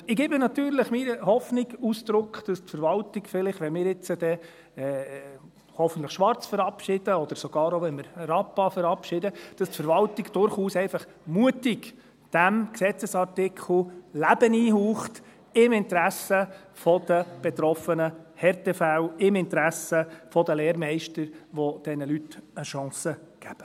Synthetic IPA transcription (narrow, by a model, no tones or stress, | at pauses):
ɪɡɪːbɪnɑt̪yːɾləχmiɾəhɔfnɪɡusd̥̪ɾʊkχd̥ɑstfəɾvɑltɪɡfɪlɪχʋɛnmɪːɾɪt͡səd̥̪ɛ | ɛ | hɔfəntləχʃʋɑɾt͡sfəɾɑpʃɪd̥əɔd̪̥əɾsɔɡ̥ɑːɾɔʋɛnmɪɾɾɑpːɑfəɾɑpʃɪd̪əd̥ɑstfəɾʋɑltɪɡd̥ʊɾχuːsɛɪfɑχ | muətɪɡ | d̥æmksɛt͡səsɑɾtɪkʰχl̩læb̥əniːhuːχt | ɪmɪnt̪ɾæsə | fɔd̥̪əb̥et̪ɾɔfənəhɛɾtɛfælɪmɪnt̪ɾæsəfɔd̪əleːɾmɛɪʃtəɾʋɔd̥ɛnəlytəʃɑ̃ːsə | ɡ̥æb̥ə